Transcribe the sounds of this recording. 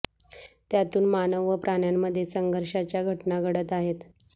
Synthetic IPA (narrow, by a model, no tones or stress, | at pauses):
t̪jat̪uːnmanəʋːəpɾʔaɳjamːəd̪ʱːjesəŋɡʱəɾɕat͡ɕjaɡʱəʈnaɡʱəɽət̪aɦet̪